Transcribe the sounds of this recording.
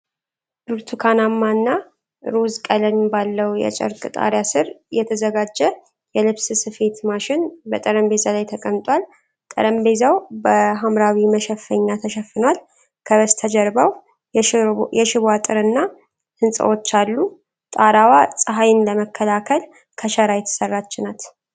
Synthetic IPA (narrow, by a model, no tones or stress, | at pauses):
duɾt̪ʰukʰanamːanːa | ɾuzkʼələmɪbalːəwjɛ̰t͡ʃʼə̰ɾkʼɨt̪ʼa̰ɾjasɨɾjɛt̪ʰəzəɡad͡ʒːɛ | jɛlɨβsɨsɨfe̞t̪maʃɪnbət̪ʼəɾəmbe̞zalajt̪ʰəkʼəmt̪ʼwal | t̪ʼə̰ɾəmbezawbəɦamɾawiməʃɛfːəɲːat̪ʰəʃɛfːɨnwal | kʰəβəst̪ʰəd͡ʒəɾbaw | jɛʃɪβat̪ʼɨɾɨnːa | hɨnsʼə̰wo̞t͡ʃːalːu | t̪ʼaɾawasʼɨɦajɪnləməkʰːəlakʰəl | kʰəʃəɾajɛt̪ʰːɨ̥sərːat͡ʃːɪnat̪